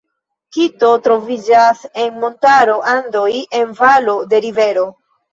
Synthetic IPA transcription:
kito̞tɾo̞vid͡ʒase̞nmo̞ntaɾo̞ʔando̞je̞nvalo̞de̞ɾive̞ɾo̞

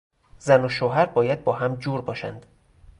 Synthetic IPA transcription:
zænoʃoːɦæɾbɒːjæd̪̚bɒːɦæmd͡ʒuːɾbɒːʃæ̰nd̪̥

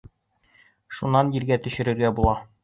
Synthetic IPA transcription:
ʃunːɑnjiɾɡæt̪ɵ̆ɕɘ̆ɾɘ̆ɾɡæbulˠɑ

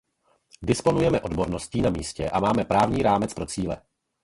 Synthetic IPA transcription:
dɪspo̞nujɛmɛʔo̞dbo̞ɾno̞sciːnamiːscɛʔamaːmɛpɾaːvɲiːɾaːmɛt͡spɾo̞t͡siːlɛ

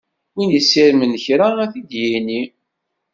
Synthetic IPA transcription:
winjəsːiɾmənəçɾaæθid̪jini

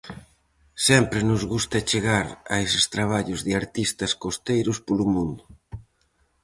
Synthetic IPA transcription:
sɛmpɾɪnʊzɣust̪ɐt͡ʃeɣaɾa̰esɪst̪ɾaβ̞aʎʊzðɪaɾt̪ist̪ɐskost̪ejɾʊspolʊmũnd̪ʊ

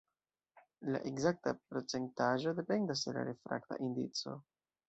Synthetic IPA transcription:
la̰ʔeɡzak̚tapɾo̞t͡se̞ntaʒo̞de̞pe̞ndas̬de̞la̰ɾefɾa̰kta̰ʔindit͡so̞̰

